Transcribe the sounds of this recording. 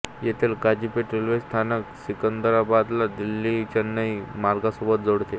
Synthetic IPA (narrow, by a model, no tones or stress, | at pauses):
jet̪ʰelkad͡ʑipeʈɾilʋest̪ʰanəksikənd̪əɾabad̪lad̪ilːit͡ɕənːəɦimaɾɡasubət̪̚d͡zoɽt̪e